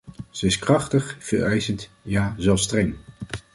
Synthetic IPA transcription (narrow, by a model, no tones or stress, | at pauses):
z̥əɪskrɑχtəχv̥əɹɛjzəntjaːzɛlˠfstrɛŋ